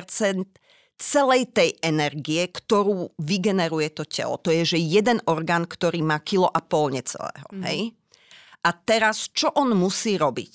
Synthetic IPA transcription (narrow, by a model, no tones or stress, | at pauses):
ɾt͡sɛnt̪ | t͡sɛlɛjt̪ɛjɛnɛɾɡiɛkt̪ɔɾuːʋiɡɛnɛɾujɛt̪ɔcɛ̰lɔ̰t̪ɔjɛʒɛjɛd̪ɛnʔɔɾɡaːnkt̪ɔɾiːmaːkilɔʔapɔlɲɛt͡sɛ̰lɛ̰ːɦɔ̰ɦɛ̰j | ʔat̪ɛɾast͡ʃɔʔɔnmusiːɾɔbḭc